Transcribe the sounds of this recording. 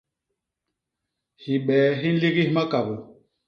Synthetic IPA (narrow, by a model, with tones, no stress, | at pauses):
hi˨ɓɛː˨˦ɦi˦n̩˦li˦ɣi˦hma˦ka˨bu˨